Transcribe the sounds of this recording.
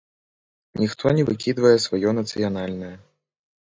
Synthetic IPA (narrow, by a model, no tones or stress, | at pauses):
nʲixt̪ʰɔnʲɛvɨkʲid̪vɐjɛsvajɔnɐt̪sɨjanalʲnɐjɛ